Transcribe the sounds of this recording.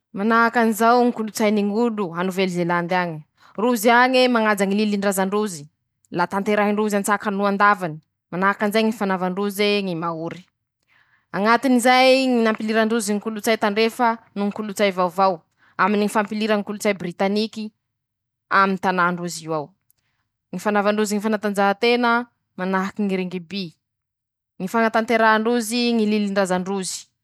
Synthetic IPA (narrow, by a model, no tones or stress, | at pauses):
manaakanizawŋikulut͡sajniŋuluanuvelizeland̪aŋi | ruziaŋemaŋad͡zaŋililiɳɖ͡ʐazaɳɖ͡ʐuzi | lat̪ant̪eɾaɦiɳɖ͡ʐuzant͡sakanuand̪avani̥ | manakanizajŋifanavaɳɖ͡ʐuzeŋimauɾi̥ | aŋat̪inizajŋinampiliɾaɳɖ͡ʐuziŋikulut͡sajt̪aɳɖ͡ʐefənuŋikulut͡sajvawvaw | aminiŋifampiliɾəŋikulut͡sajbrit̪aniki | amint̪anaɳɖ͡ʐuziwaw | ŋifanavaɳɖ͡ʐuziŋifanat̪and͡ʒaɦat̪enə | manaɦakiŋiɾeŋɡibi | ŋifaŋat̪ant̪eɾaɳɖ͡ʐuziŋililiɳɖ͡ʐazaɳɖ͡ʐuzi̥